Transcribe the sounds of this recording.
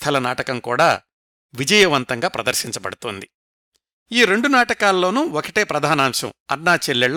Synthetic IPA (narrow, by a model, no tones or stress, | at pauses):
t̪ʰɐlɐnaːʈɐkɐmkuːɽaː | ʋid͡ʒɐjɐʋɐnt̪ɐŋɡaːpɾɐd̪ɐɾʃiɲt͡ʃɐbɐ̰ɽut̪oːnd̪i | iːɾe̞ɳɖunaːʈɐkaːlːo̞ːnuːokɐʈe̞ːpɾɐd̪ʱaːnaːmʂɐ̰mɐ̰ɾnaːt͡ʃelːɛɭ